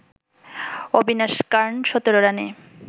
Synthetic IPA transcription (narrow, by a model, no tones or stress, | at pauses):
obinaʃkaɾnʃɔt̪oɾoɾane